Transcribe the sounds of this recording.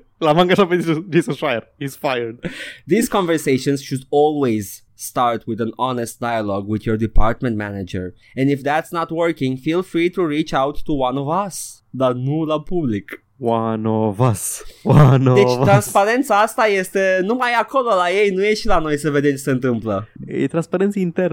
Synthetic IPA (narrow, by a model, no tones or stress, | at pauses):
lamãŋɡataped̪isd̪isə̃ʃajəɾisfajə˞dd̪izkɔ̃nvəɹseʃɔ̃nsʃud̪ɔlˠwez | st̪aɹt̪ʰwɪðɛ̃nɔnɛst̪̚d̥̪ajalɔɡwɪðjɔɹd̪ipʰaɾt̪̚mɛ̃ntmɛnad͡ʒə̰ɹ | ɛ̃ndɪfd̪ætsnat̪wəɹkɪ̃ŋfilˠfɹit̪uɹit͡ʃawtʰːuwãnɔvɐs | d̪anulapublik | wãnɔvaswanɔivt̪ɾɐ̃nspaɾẽnsaast̪aest̪enũmajakʰololaejnũeʃilanojseved̪ẽnt͡ʃseẽnt̪ɨ̃mplɐḛt̪ɾɐ̃nspaɾẽnsjɐĩnt̪ɛɾ